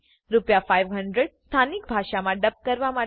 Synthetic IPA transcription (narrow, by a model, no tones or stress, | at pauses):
ɾupjafajʋɦəɳɖɾəɖst̪ʰanik̚bʱaʂamãɖəp̚kəɾʋama